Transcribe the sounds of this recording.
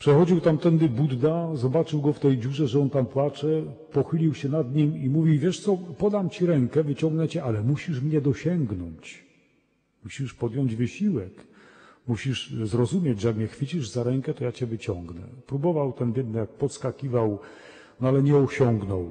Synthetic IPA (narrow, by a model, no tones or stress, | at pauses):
pʂɛxɔd͡ʑiwt̪amt̪ɛnd̪ɘbud̪d̪azɔbat͡ʂɘwɡɔft̪ɛjd͡ʑuʐɛʐɛɔnt̪ampwat͡ʂɛpɔxɘlʲiwɕɛnad̪ɲimimuvʲiwvʲjɛʂt̪sɔpɔd̪amt͡ɕiɾɛŋkɛvɘt͡ɕɔŋɡnɛt͡ɕɛʔalɛmuɕiʂmɲɛd̪ɔɕɛŋɡnɔɲt͡ɕ | muɕiʂpɔd̪jɔɲd͡ʑvɘɕiwɛk | muɕiʂzɾɔzumʲjed͡ʑʐɛjak̚mɲɛxfʲɘt͡ɕiʐzaɾɛŋkɛt̪ɔjat͡ɕɛvɘt͡ɕɔ̃ŋɡnɛ̰pɾubɔvawt̪ɛnvʲjɛd̪nɛjak̚pɔt̪skakʲivaw | nɔalɛɲɛɔɕɔŋɡnɔw